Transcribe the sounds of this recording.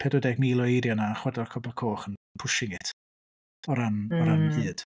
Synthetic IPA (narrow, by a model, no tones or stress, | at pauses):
pʰɛdɔdɛɡmiːlˠɔiɾjɔnaχwɛdɔrkʰɔbɔlˠkʰoːχənpʰʊʃɪŋɪtʰ | ɔɾanɔɾannðɨːd̥